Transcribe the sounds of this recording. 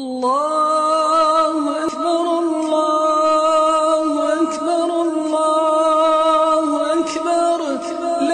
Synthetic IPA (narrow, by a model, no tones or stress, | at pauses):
lˤːɑ | hʊʔakbɑɾˤɑlˤːɑ | hʊʔakbɑɾˤɑlːɑ | hʊʔakbɑɾˤ | l